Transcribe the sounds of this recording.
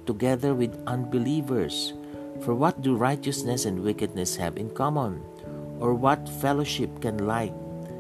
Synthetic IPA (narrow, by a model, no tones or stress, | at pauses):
t̪ʊɡɛðəɹwɪd̪ʔʌ̃nbɪlivəɹs | fɔɹwʌt̪̚d̪uɹajt͡ʃəsnɛsɛ̃ndwɪkɨd̪̚nɛshæ̰vɪ̰̃nkʌmɔ̃n | ʔɔɹwʌt̪fɛloʃɪp̚kɛ̃nlaɪk̚